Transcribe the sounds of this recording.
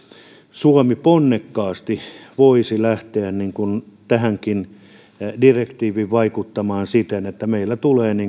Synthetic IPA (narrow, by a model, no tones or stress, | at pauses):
suɑmiponːekːɑːst̪iʋoisilæht̪eænniŋkunt̪æhæŋkin | direkt̪iːʋiʋʋɑikut̪ːɑmɑːnsit̪enet̪ːæmeilːæt̪uleːniːŋ